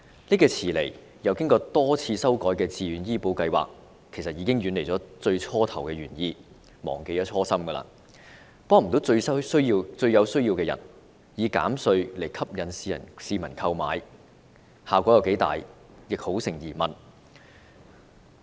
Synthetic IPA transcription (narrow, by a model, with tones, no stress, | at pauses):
niː˥kɛː˧t͡sʰiː˨˩le˨˩j | jɐ˨˧wkɪ˥ŋkɔː˧t̪ɔː˥t͡sʰiː˧sɐ˥wkɔː˨˥jkɛː˧t͡siː˧jyː˨˥njiː˥po˨˥wkɐ˧jwa̰ː˨kʰː | e˨˩jsɐ˨t̚jiː˨˧kɪ˥ŋɥyː˨˧nle˨˩jt͡sɔː˨˥t͡sɵ˧ɥt͡sʰɔː˥t̪ʰɐ˨˩wkɛː˧jɥyː˨˩njiː˧ | mɔ̰ː˨˩ŋke˧jt͡sʰɔː˥sɐ˥mɡɐː˧la̰ː˧˥ | pɔː˥ŋm̩˨˩t̪o˨˥wt͡sɵ˧ɥsɐ˥sɵ˥iː˧t͡sɵ˧ɥjɐ˨˧wsɵ˥ɥji˧wkɛː˧jɐ̰˨˩n | jiː˨˧ka̰ː˨˥msɵ˧ɥle˨˩jkʰɐ˥p̚jɐ˨˥nsiː˧jɐ̰˨˩nsiː˧mɐ˨˩nkʰɐ˧wma̰ː˨˧j | haː˨˩kʷɔ˨˥jɐ˨˧wke˨˥jt̪a̰ː˨˩j | jɪ˨k̚ho˨˥wsɪ˨˩ŋjiː˨˩mɐ˨˩n